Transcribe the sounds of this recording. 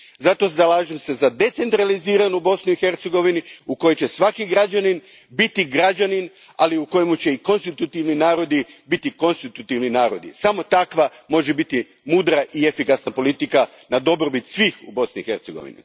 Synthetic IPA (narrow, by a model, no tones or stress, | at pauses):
zat̪o̞zalaːʒemse̞zad̪e̞t̪se̞nt̪ɾaliziːɾanubo̞snuixe̞ɾt̪seɡo̞ʋiniuko̞jet͡ɕesʋakiɡɾad͡ʒanin | bit̪iɡɾad͡ʒanin | aliuko̞jemut͡ɕe̞iko̞nst̪it̪ut̪iʋninaːɾo̞d̪ibit̪iko̞nst̪it̪ut̪iʋninaːɾod̪ḭsamo̞t̪akʋamo̞ʒebit̪i | muːd̪ɾaʔie̞fikasnapo̞lit̪ika | nad̪o̞bɾobit̪sʋiːxṵbo̞sniixe̞ɾt̪seɡo̰ʋḭnḭ